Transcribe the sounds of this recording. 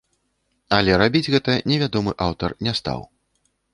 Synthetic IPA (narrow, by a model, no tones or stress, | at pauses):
ɐlʲɛɾabʲid͡zʲɣɛt̪ɐnʲɛvʲad̪ɔmɨʔawt̪ɐrnʲɛst̪a̰w